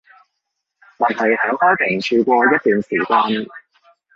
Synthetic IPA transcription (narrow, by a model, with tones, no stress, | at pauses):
mɐ˨˩nhɐ˨˩jhœː˨˥ŋhɔː˥pʰe˨˩ŋt͡ʃʰyː˧kʷɔː˧jɐ˥t̚t̪yː˨nsiː˨˩kaː˧n